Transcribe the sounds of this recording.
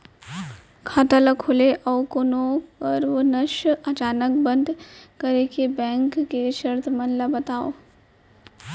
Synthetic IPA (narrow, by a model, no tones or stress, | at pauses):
kʰaːʈaləkʰʊleʔɔːkonoːəɾʋonɐʃɐt͡ʃaːnək̚bɐ̃nd̪ʱkəɾekebɛ̃ːŋkːeʃɐɾt̪ʰmɐnlabɐt̪aːo̰ː